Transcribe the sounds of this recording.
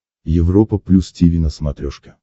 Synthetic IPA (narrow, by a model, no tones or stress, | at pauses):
jɪvropəplʲustʲivʲinəsmɐt̪ɾʲoʂkʲɪ